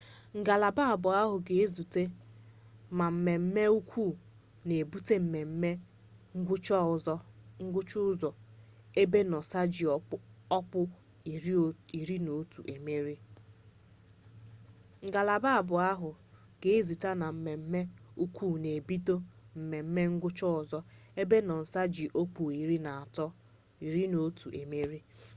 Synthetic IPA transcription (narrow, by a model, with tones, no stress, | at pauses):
ŋ̩˨ɡa˨la˨ba˦a˨bʊ˨a˦ɦʊ˨ɡe˨e˦zu˨te˦ | ma˨m̩˨me˨m̩˦me˦u˦kʷʰu˦˨ | ne˨e˨bu˦te˦m̩˨me˨m̩˦me˦ | ŋ̩˦ɡʷʊ˦t͡ʃɔ˦˨zɔ˦ŋ̩˦ɡʷʊ˦t͡ʃʊ˦ʊ˦zɔ˨ | e˦be˦nɔ˨sa˦d͡ʒi˨˦ɔ˦pʊ˦˨ | ɾi˨ɾi˦no˨˦tṵ˨ʔe˨me˦ɾi˦ | ŋ̩˨ɡa˨la˨ba˦a˨bʊ˨a˦ɦʊ˨ | ɡ̥e˦e˦zi˨ta˦na˨m̩˨me˨m̩˦me˦u˦kʷʰu˦˨ne˨e˨bi˦to˦m̩˨me˨m̩˦me˦ŋ̩˦ɡʷʊ˦t͡ʃɔ˦ʊ˨zɔ˦e˦be˦nɔ˨n̩˨sa˦d͡ʒi˨ʔo˦k͡pu˨i˨ɾi˦na˨a˨tɔ˦ | i˨ɾi˦no˦tʰu˨ʔḛ˨me˦ɾi˦